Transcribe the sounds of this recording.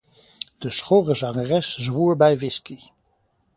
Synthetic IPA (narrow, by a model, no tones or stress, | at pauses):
d̥əsχoːrəzɑŋərɛszʋuːɹbɛjvɪski